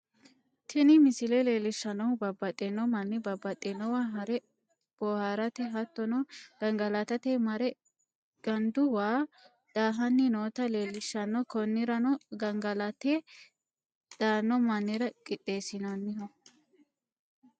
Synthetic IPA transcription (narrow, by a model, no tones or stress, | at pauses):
t̪ʰɪnɪmɪsɪlele̞ːlɪʃːɐnɔwʊbɐbːɐt̪ʼɛnːɔmɐnːɪbɐbːɐt̪ʼːɛnːɔwaːɦɐɾɛ | b̥ɔhaɾɐt̪ɛɦɐt̪ːɔnɔɡ̥ɐŋɡɐlɐt̪ɐt̪emɐɾɛ | ɡ̥ɐnd̪ʊwaː | d̪̥aːɦɐnːɪnoːt̪ɐleːlɪʃːɐnːɔkɔnːɪɾɐnɔɡɐŋɡɐlɐt̪eː | d̪̥aːnːɔmɐnːɪɾɐkʼɪt̪ʼːe̞ːsɪnɐnːɪɦɔ